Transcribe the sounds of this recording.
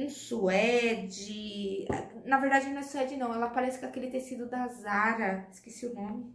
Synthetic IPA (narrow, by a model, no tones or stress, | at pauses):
suɛd͡ʒɪɛ̰nɐveɾd̪ad͡ʒɪnɐ̃ɛsuɛd͡ʒɪnɐ̃w̃ɛlɐpaɾɛsɪkɪakelɪt̪esid̪ʊd̪azaɾɐɪskesiʊnõmɪ